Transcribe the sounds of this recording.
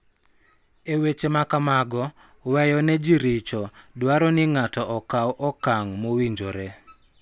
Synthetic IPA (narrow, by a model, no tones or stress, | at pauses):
ewet͡ʃemakamaɡɔ | wɛjɔnɛd͡ʒiɾɪt͡ʃɔdwaɾɔnɪŋatɔʔɔkawʔɔkaŋmowiɲd͡ʒoɾɛ